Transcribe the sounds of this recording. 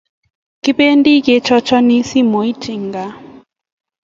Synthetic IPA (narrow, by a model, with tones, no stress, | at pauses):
ki˦pe˦ndi˦ke˨˦t͡ʃɔ˦t͡ʃɔ˦ni˦si˦mo˨i˦t͡ʃi˨ŋɡa˨